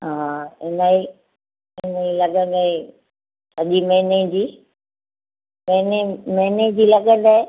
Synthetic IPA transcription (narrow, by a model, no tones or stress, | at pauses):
ɦaːɪnai | ɪnailɐɠə̃nd̪ae | ɐʄimẽɦned͡ʑiː | mẽnemened͡ʑiːlɐɠə̃nd̪aɦe